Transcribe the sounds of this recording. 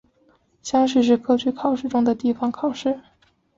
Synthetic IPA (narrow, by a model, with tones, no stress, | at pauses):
ɕjɑ˥ŋʂ̬ɻ̩˥˧ʂɻ̩˥˧kʰɤ˥t͡ɕʰy˥˩kʰɑ˨˩ʊʂɻ̩˥˩ʈ͡ʂʊ˥ŋd̪ə˨t̪i˥˩fɑ˨˩ŋkʰɑ˨˩ʊʂɻ̩˥˩